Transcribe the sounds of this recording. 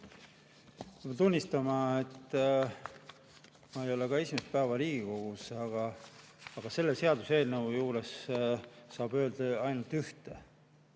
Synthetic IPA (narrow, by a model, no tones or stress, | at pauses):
t̪unʲːist̪ɑmɑet̪ː | mɑe̞jo̞le̞kɑe̞sʲimest̪pæːvɑɾiːɡ̥iko̞ɡ̥usɑɡ̥ɑ | ɑɡ̥ɑse̞lːeseɑd̪use̞ːlnevujuːɾe̞sː | ɑːb̥ø̞ːld̪̥ɑɑjnult̪yht̪e